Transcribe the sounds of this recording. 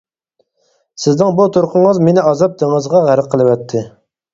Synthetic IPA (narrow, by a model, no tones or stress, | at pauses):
sɪznɪŋbut̪ʰoɾqʰʊɴəzmenɪɑzɑp̚d̪ɪŋəzʁɑʁæɾɛqʰəlˠɨwɛt̪ʰːɪ